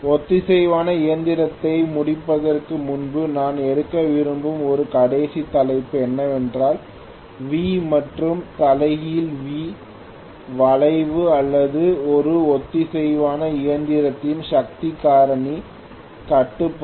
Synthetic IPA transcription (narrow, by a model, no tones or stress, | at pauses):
ɔt̪ːɯsɛjʋaːnɐɪjɐnd̪ɪɾɐt̪ːɐɪmʊɽɪpːɐðɐrkɯmʊnbɯnaːnɛɽɯkːɐʋɪɾɯmbɯmɔɾɯkɐɽeːsit̪ːɐlɐɪpːɛnːɐʋɛndraːl | ʋiːmɐʈrɯmt̪ɐlɐɪɣɪjɪlʋiː | ʋɐɭɐɪʋɯɐlːɐðɯɔɾɯɔt̪ːɯsɛjʋaːnɐɪjɐnd̪ɪɾɐt̪ːɪjɯmʂɐk̚t̪ɪkːaːɾɐɳi | kɐʈːɯpː